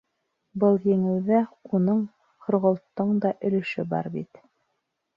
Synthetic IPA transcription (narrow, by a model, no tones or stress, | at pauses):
bɤlˠjɘ̆ŋɘ̆w̪ðæunɤɴ | qŏɾʁŏlˠt̪ːɤɴd̪ɑʔɵ̆lɵ̆ʃɘbɑ̰ɾbit̪